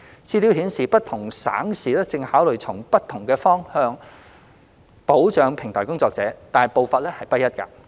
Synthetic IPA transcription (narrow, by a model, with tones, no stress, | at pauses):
t͡sʰiː˧li˨˥wɦiː˨˥nsiː˨pɐ˥t̚t̪ʰʊ˨˩ŋsa̰ː˨˥ŋsiː˨˩lɛ˥t͡sɪ˧ŋhaː˨˥wlɵ˨˩jt͡sʰʊ˨˩ŋpɐ˥t̚t̪ʰʊ˨˩ŋkɛː˧fɔː˥ŋhœː˧ŋ | po˨˥wt͡ʃœː˨ŋpʰɪ˨˩ŋt̪ʰɔː˨˩kʊ˥ŋt͡sɔː˧k̚t͡sɛː˨˥t̪aː˨jpo˨wfa˨t̚lɛ˥hɐ˨jpɐ˥t̚jɐ˥t̚kɐ̰˧